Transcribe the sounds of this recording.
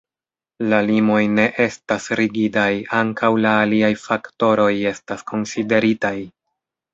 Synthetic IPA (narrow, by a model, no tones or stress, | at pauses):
lalimo̞jne̞ʔe̞stasɾiɡidajaŋkawlaːliajfakto̞ɾo̞je̞staskʰo̞nside̞ɾitaj